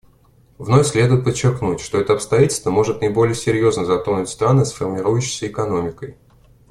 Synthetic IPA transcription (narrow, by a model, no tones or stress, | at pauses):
vno̞fʲsʲlʲe̞d̪ʊjɪt̪̚pət͡ɕːɪrknutʲʂt̪o̞ɛt̪əɐpst̪ɐjatʲɪlʲst̪vəmo̞ʐɨt̪̚nəɪbo̞lʲɪjəsʲɪɾʲjo̞znəzɐt̪ɾonʊtʲst̪ɾanɨsfərmʲɪɾujʊɕːɪ̥jsʲəɪkɐno̞mʲɪkəj